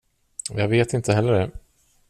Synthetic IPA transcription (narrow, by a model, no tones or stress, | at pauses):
jɑːɡveːt̪ɪnt̪ʰəɦɛlːəɖɛ